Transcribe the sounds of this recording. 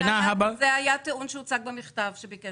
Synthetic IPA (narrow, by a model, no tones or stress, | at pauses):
naɦabazɛajat̪eunʃɛut͡saɡ̚bamiχt̪avʃebikɛ